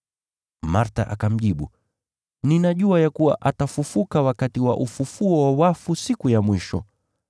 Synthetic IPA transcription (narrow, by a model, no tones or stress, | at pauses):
maɾta̰ʔakam̩ʄiɓṵ | ninaʄuajakuwa̰ʔatafufukawakatiwaʔufufuɔwawafusikujamwiʃɔ̰